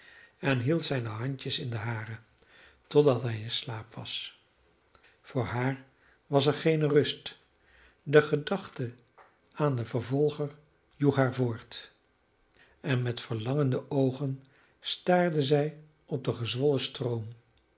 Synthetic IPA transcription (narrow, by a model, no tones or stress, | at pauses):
ɛnɦilˠtsɛjnəɦɑɲtəsɪndəɦaːɾə | tɔdɑtɦɛjɪnslaːpʋɑ̰s | fʊːɹɦaːɹ | ʋɑs̬ɛɹχejnərɵst | dəχədɑχtə | aːndəvəɹvɔlˠχəɹ | juχɦaːɹvʊːɹt | ɛnmɛtfəɹlɑŋəndəʔowχən | staːɹdəzɛj | ɔb̚dəχəzʋɔləstrowm